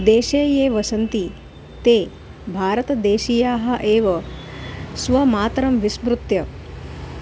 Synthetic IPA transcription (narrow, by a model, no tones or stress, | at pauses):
d̪eːʃeːjeːʋɐsɐnt̪i | t̪eː | bʱaːɾɐt̪ɐd̪eːʃiːjaːɦɐʔeːʋɐ | sʋɐmaːt̪ɾɐmʋisbɾut̪jɐ